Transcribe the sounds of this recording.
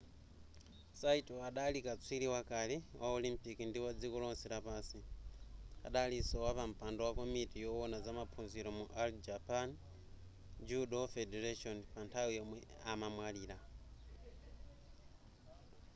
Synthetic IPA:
saitɔaɗalikat͡sʰwiliwakaliwʔaɔlimpikindiwad͡zikɔlɔnsiɾapaːsi | a̰ɗalisɔwapam̩pandɔwakomitijɔwɔnazamapʰunziɾɔmuʔald͡ʒapan | d͡ʒuɗɔfɛdɛɾaʃɔnpantʰawijɔmwɛamamwaliːɾa

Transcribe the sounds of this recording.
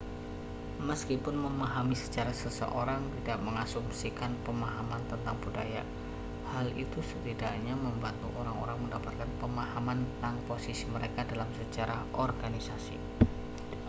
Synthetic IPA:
məskipʊnməmaɦamisə̥t͡ʃaɾasəsə̰ʔoɾaŋt̪idaʔməŋasumsikanpəmaɦamant̪ənt̪aŋbuda̰ja̰ | halit̪usət̪idaʔɲaməmbant̪uʔoɾaŋo̰ɾaŋməndapat̪̚kanpəmahamant̪ət̪aŋposisiməɾekadalamsət͡ʃaɾʔaʔɔrɡanisasḭ

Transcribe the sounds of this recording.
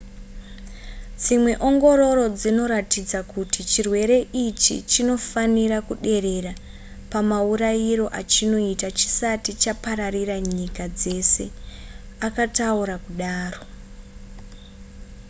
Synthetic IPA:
d͡zimwe̞ʔo̞ŋɡo̞ro̞ɾo̞d͡zino̞ɾatid͡zakutit͡ʃirwe̞ɾe̞ʔit͡ʃḭt͡ʃino̞faniɾakuɗe̞re̞ra | pamauɾajiro̞ʔat͡ʃino̞itat͡ʃi̥satit͡ʃapaɾariraɲikad͡ze̞se̞ | akatauɾakuɗaːro̞

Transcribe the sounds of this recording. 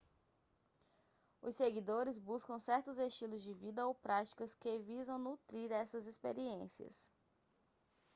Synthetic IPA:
ʊ̰seɡid̪oɾɪzbuskɐ̃w̃sɛɾt̪ʊzest͡ʃilʊzd͡ʒɪvid̪ɐowpɾat͡ʃi̥kɐskevizɐ̃w̃nut̪ɾiɾɛsɐzespeɾiẽsiɐ̰s

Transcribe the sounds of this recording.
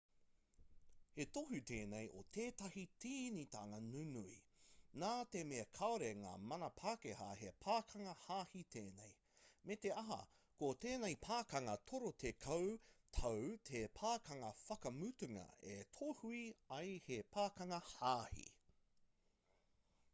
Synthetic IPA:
hetoɦutʰeːnejʔotʰeːtɐhitiːnita̰ːŋɐnunui | naːtemeɐkʰaoɾeŋa̰ːmɐnɐpʰaːkehɐ̰hepʰaːkʰɐŋɐhaːhitʰeːnej | meteɐɦɐ̰ | koteːnejpʰaːkɐŋɐtʰoɾotʰekʰɐwtʰɐwtʰepʰaːkɐŋɐfɐkɐmʉtʉŋɐ̰ḛtʰohuiɐjhepʰaːkɐŋɐhaːhḭ

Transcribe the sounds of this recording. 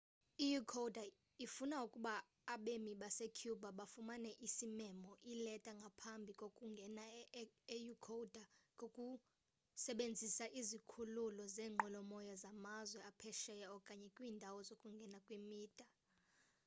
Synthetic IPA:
ijukʰowdʱa | ifunaukʼuɓaː | ɓemiɓasekʰjubʱaɓafumanɛʔisimɛmɔʔilɛtʼaŋɡʱapʰambʱikʼokʼuŋɡʱɛnaejukʰoudʱaŋʱokʼu | sɛɓend͡zʱisaʔizikʰululɔzɛːŋ͡ǃʱɔlɔmɔjazamazwɛapʰɛʃɛjɛɔkʼaɲɛkʼwiːndʱawɔzokʼuŋɡʱɛnakʼwimiːd̥ʱʼa

